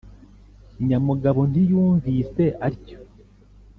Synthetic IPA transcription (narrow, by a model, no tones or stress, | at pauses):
ɲamuɡaβo̞n̥ijuːɱvise̞ʔaɾico̥